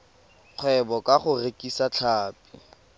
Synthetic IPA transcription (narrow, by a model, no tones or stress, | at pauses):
q͡χʰwɛbɔkʼaχʊrekʼisat͡ɬʰaːpi